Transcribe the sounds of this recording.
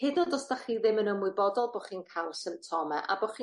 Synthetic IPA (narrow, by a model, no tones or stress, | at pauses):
hɪdɔndɔsd̥aχiðɪmənəmʊbɔdɔlˠbɔːχiːnkʰalˠsəmtʰɔmɛ̰ʔa̰bɔχiː